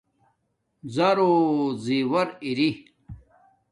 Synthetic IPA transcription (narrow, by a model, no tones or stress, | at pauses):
zaɾoziwɐɾiɾi